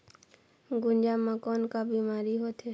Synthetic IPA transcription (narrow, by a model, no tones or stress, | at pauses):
ɡʊnd͡ʒaːmːãkɔːnkabiːmaːɾiɦoːt̪ɦɛ